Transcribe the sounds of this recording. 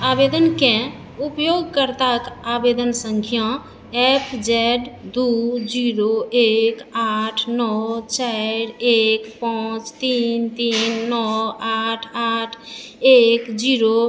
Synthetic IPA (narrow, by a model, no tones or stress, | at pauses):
abed̪ənkẽ | upjoɡ̚kəɾt̪akabed̪ənsəŋkʰijã | epʰd͡ʒɛɖd̪ud͡ʒiɾoekaʈʰnɔt͡ʃaɪɾekpat͡ʃt̪int̪inːɔaʈʰaʈʰekd͡ʒiɾo